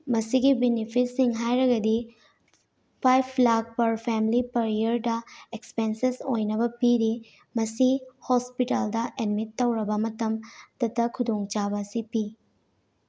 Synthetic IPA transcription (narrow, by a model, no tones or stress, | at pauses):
mɐsiɡibenipʰitsiŋɦajɾɐɡɐdi | pʰajpʰlak̚pɐɾpʰemlipɐɾiɐɾdɐekspensesojnɐbɐpiɾi | mɐsihospitaldɐʔedmitːɐwɾɐbɐmɐtɐmtɐtːɐkʰudoŋt͡ʃabɐsipi